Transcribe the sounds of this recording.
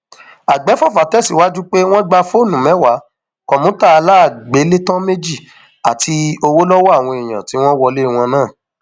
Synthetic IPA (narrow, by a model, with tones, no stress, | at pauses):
a˨ɡ͡bɛ˨˦fɔ˦˨fa˨˦tɛ˦˨si˨˦wa˦d͡ʒu˦k͡pe˦w̃ɔ̃˦ɡ͡ba˧fo˦˨nũ˨˦mɛ̃˨˦wa˨˦ | kɔ˨mũ˨˦ta˦˨˧la˦˨ɡ͡be˨˦le˦tɔ̃˦me˦d͡ʒi˦˨ | a˨ti˧o˧wo˦lɔ˦wɔ˦a˦˨w̃ɔ̃˧i˨j̃ã̰˨ti˨˦w̃ɔ̃˦wɔ˧le˦˨w̃ɔ̃˧nãː˦˨